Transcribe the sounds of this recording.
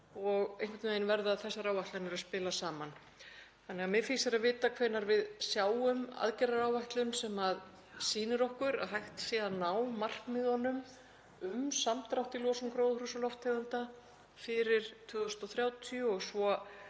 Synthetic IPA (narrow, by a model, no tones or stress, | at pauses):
ɔɣejŋkvɛt̪mejnvɛɾðaːðθɛsːaɾaːwvajht̪lanɛɾaspɪːlasaːman | θanɛɣamɛfiːsaɾaðvɪːt̪akʰvɛːnːaɾvɪðsjaːwʏma̰ðcɛɾaɾaːwvajht̪lʏnsɛmað | siːnɪɾɔhkʏɾa̰ðɦajht̪sjɛːðanːawmar̥kmɪðhɔnːʏm | ʏmsamt̪ɾawht̪ilɔːsʏŋkɾoːwðhrusalɔft̪ɛðʏnt̪a | fɪɾɪɾ̥t̪ʰʏːðʏst̪ɔθɾjaːwt̪ʰiʏɔɣsvɔ